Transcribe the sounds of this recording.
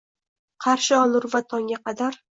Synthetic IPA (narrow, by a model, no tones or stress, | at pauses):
qʰɑɾʃɪɒlˠʊɾvat̪ʰɒŋɡʲaqʰɑd̪aɾ